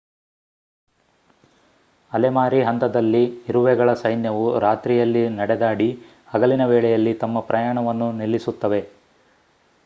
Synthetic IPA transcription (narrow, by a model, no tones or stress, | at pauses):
ɐlemaːɾiɦɐnt̪ɐd̪ɐlːiːɾuʋɛɡɐɭɐsɐjnjɐʋuɾaːt̪ɾijɐlːinɐɽɛd̪aːɽi | hɐɡɐlinɐʋɛːɭɛjɐlːit̪ɐmːɐpɾɐjaːɳɐʋɐnːunilːisut̪ːɐʋe̞